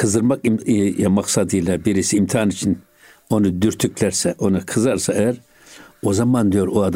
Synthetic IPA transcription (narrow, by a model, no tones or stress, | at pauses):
kʰɨzɨɾmakʼimjamaqsad̪ilabiɾisiːmt̪ʰiaːnit͡ʃʰin | ɔnɨd̪yɾt̪ʰykʰlɛɾsɛʔɔnikʰɨzaɾsaɛɾ | ɔzamand̪ijoɾuad̪